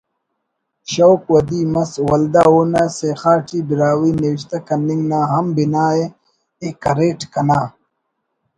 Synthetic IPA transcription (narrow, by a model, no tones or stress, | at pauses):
ɕɐwkwɐd̪iːmɐswɐld̪aoːnasexaːʈʰibiɾaːwiːniwiɕ̬t̪ɐkɐnːiŋɡnaːɦɐmbinaːje | ekɐɾeːʈkɐnaː